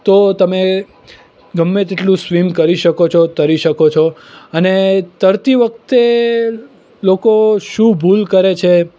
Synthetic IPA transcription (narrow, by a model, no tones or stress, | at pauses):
t̪ot̪əme | ɡəmːet̪eʈlũsʋimkəɾiʃəkot͡ʃʰot̪əɾiʃəkot͡ʃʰoənet̪əɾt̪iʋək̚ʰt̪e | lokoʃũbʱulkəɾet͡ʃʰe